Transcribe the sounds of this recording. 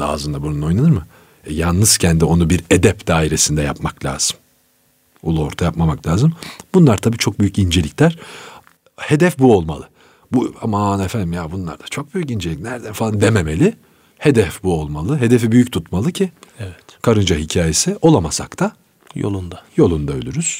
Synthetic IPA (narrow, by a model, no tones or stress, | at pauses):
d̪a̰ːzɯnd̪abununo̞jnanɯɾmɯ | ɛjalˠnɯz̥cʰɛnd̪io̞nubiɾed̪ɛpd̪̥aːiɾe̞sind̪ɛjapmaklʲa̰ːz̥ɯm | ulˠuo̞ɾt̪ʰajapmamaklʲaːzɯmbunlˠaɾt̪ʰabiːt͡ʃʰo̞k̚byjycind͡ʒe̞lʲicʲlʲæɾ̥ | he̞d̪ɛfbuo̞lˠmalˠɯ | bua̰maanefænd̪imjabunlˠa̰ɾd̪ḁt͡ʃʰo̞k̚b̥yjycind͡ʒelʲicnæɾd̪ænfalˠand̪ememelʲɪ | he̞d̪ɛfbuo̞lˠmalˠɯɦe̞d̪efibyjyc̚t̪ʰut̪malˠɯcʰiɛvt̪kʰaɾɯnd͡ʒaɦicʰaːje̞sio̞lˠamasa̰kt̪ʰa | jo̰lˠund̪ajo̞lˠund̪aølʲyɾyz̥